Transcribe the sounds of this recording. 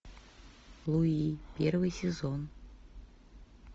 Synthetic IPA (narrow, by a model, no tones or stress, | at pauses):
lˠuipʲervɨjsʲezon